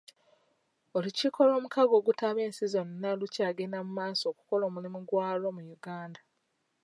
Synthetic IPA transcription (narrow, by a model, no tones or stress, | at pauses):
o̞liciko̞lo̞ːmukaɡo̞ːɡutaβe̞ːnsizo̞nːalucaːɡenamumaːso̞ːku̥ko̞lo̞ːmulimuɡwaːlo̞mujuɡaːnda